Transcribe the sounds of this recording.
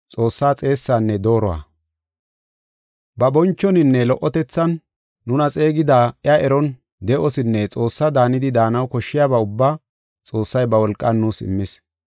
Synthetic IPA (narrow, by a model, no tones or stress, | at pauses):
t͡sʼo̞ːsːaːt͡sʼe̞ːsːaːnːɛd̪o̞ːɾɔwa̰ː | bɐbɔnt͡ʃːɔnɪnːɛlɔʔɔt̪ɛt͡sːɐnː | ʊnɐt͡sʼeːɡɪd̪aːɛɐɛɾɔn | d̪ɛʔɔsɪnːɛt͡sʼo̞ːsːɐd̪aːnɪd̪ɪd̪aːnɐwkɔʃːɪjabaʊbːaː | t͡sʼo̞ːsːɐjbɐwɔlkʼːɐnːuːsɪ̰mːɪs